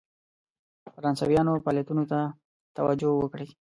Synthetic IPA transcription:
faɾɑnsɑ̰wjɑnopɑljat̪unot̪a | t̪awad͡ʒowəkɽe

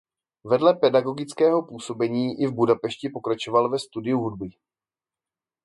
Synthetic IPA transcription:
vɛdlɛpɛdaɡo̞ɡɪt͡skɛːɦo̞puːso̞bɛɲiːʔɪvbudapɛʃcɪpo̞kɾat͡ʃo̞valvɛst̪udɪuɦudbɪ

